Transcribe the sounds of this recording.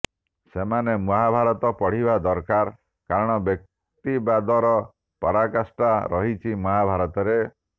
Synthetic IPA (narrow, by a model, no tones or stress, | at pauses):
semanemɔɦabʱaɾɔt̪ɔpɔɽ̤ibad̪ɔɾkaɾ | kaɾɔɽ̃ɔbjɔk̚ | t̪ibad̪ɔɾɔ | pɔɾakasʈaɾɔɦit͡ʃʰimɔɦabʱaɾɔt̪ɔɾe